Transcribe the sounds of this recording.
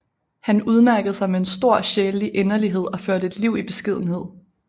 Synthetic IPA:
hænuð̞ˠmæɐɡ̥ð̩ˠsɑ̈ɪmee̝nsd̥o̝ɐ̰ɕeːlliʔenɐliɦe̝ð̞̰ˠɒ̽føɐdəe̝d̥liʊ̰ib̥e̝sɡ̥ið̞̰ˠn̩he̝ð̞̰ˠ

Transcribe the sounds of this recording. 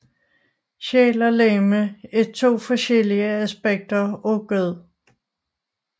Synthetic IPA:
ɕɛːlɐleːməe̥t͡sʰo̝̰ːfɒɕeliəæsb̥eɡ̥̚d̥ɐoɡ̥øð̰ˠ

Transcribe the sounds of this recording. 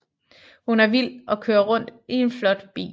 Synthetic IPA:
hunæɐʋil̰ɒ̽kʰøːɐʁɔ̽n̰d̥ie̝nflɒ̽d̥b̥ḭː

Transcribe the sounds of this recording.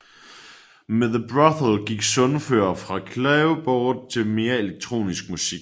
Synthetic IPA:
meðˠəb̥ʁɑθl̩ɡ̥iɡ̥sɔ̽nføːɐfʁɑ̈kʰlɛʊb̥ɒːd̥̚t͡sʰe̝lme̝ːɐe̝leɡ̥̚t͡sʰʁo̝̰ːnisɡ̥̚musiɡ̥

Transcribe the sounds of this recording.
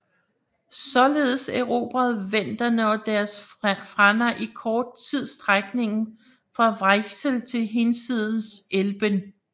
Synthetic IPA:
sɒ̽le̝ːðˠseʊʁo̝̰ːb̥ɐð̩ˠʋen̰d̥ɐnəɒd̥æɐsfʁanɐʔikʰɒːd̥̚t͡sʰið̞̰ˠsd̥ʁaɡ̥ne̝ŋn̩ | fʁɑ̈ʋʁaɡ̥səlt͡sʰe̝lɦensið̞ˠn̩selb̥ən

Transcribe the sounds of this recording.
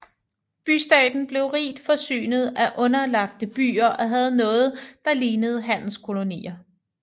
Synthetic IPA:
b̥ysd̥ɛ̰ːd̥n̩b̥le̝ʊʁḭːd̥fɒ̽sy̰ːnəð̞̩ˠæʔɔ̽nɐlɑ̈ɡ̥̚d̥əb̥y̰ːɐʔɒ̽ɦæð̞̩ˠnɔ̽ːð̩ˠd̥ɑ̈liːnəð̞̩ˠɦæn̰l̩skʰo̝lo̝nḭːɐ

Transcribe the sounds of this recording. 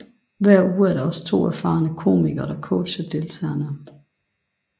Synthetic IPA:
ʋæɐ̰uːæɐɾɑ̈ɒ̽sə̥t͡sʰo̝̰ːæɐfɑ̈nəkʰo̝̰ːmiɡ̥ɐɾ̥ɑkʰɔʊ̥ɕəd̥e̝lt͡sʰɛ̰ːɐnə

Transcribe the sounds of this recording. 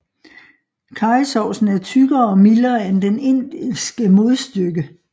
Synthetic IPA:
kʰɑ̈ɪsɒʊsn̩æɐt͡sʰyɡ̥ɐɒ̽milɐend̥ene̝n̰d̥isɡ̥əmo̝ðˠsd̥øɡ̥ə

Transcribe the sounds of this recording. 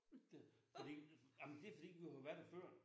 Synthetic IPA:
fɒd̥ḭːamnd̥e̝ɐfɒd̥ḭːʋihaʋæɐɾ̥æføɐ̰

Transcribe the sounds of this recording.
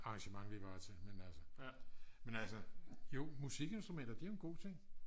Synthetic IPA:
ɑ̈ŋɕəmɑ̈ŋʋiʋ̥ɑ̈ːt͡sʰe̝menælsə | menælsəjo̝musiɡ̥e̝nsd̥ʁumend̥ɐd̥io̝enɡ̥o̝̰ːt͡sʰe̝ŋ̰

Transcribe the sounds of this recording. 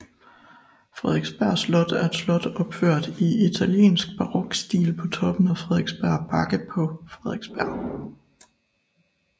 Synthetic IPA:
fʁɛðˠeɡ̥sb̥æɐ̰slɔ̽d̥æɐe̥slɔ̽d̥ɒ̽b̥føɐ̰d̥iit͡sʰæljḛːnsɡ̥̚b̥ɑ̈ʁɔ̽ɡ̥sd̥ḭːlpʰɒ̽t͡sʰɒ̽b̥ən̩æfʁɛðˠeɡ̥sb̥æɐ̰bʰɑ̈ɡ̥əpʰɒ̽fʁɛðˠeɡ̥sb̥æɐ̰

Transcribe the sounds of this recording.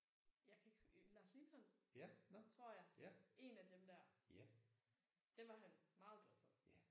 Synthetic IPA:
jɑ̈ɪkʰæe̝ɡ̥lɑ̈slid̥ʰɒnænt͡sʰʁo̝ɐ̰jɑ̈ɪe̝næd̥emd̥æɐ̰ | d̥eʋɑ̈ɦænmɑ̈ːð̩ˠd̥ɔfɔæ

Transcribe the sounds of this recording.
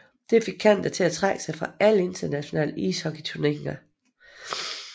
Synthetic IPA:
d̥e̝fe̝ɡ̥̚kʰæn̰d̥ɐt͡sʰe̝læt͡sʰʁaɡ̥ə̥sɑ̈ɪfʁɑ̈æləe̝nd̥ɐnæɕo̝nɛ̰ːləḭːshɒ̽ɡ̥it͡sʰuɐneɡ̥ŋɐ

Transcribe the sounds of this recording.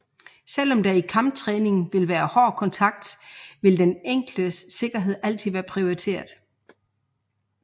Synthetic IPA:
sel̰ɒ̽md̥æikʰɑ̈mb̥̚t͡sʰʁɛːne̝ŋʋe̝lʋæːɐhɒːkʰɒ̽nt͡sʰɑ̈ɡ̥̚d̥ʋe̝ld̥eneŋ̰ɡ̥ld̥əsːe̝ɡ̥ɐɦe̝ð̞̰ˠæl̰t͡sʰiðˠʋæːɐpʰʁio̝it͡sʰe̝̰ːɐð̩ˠ

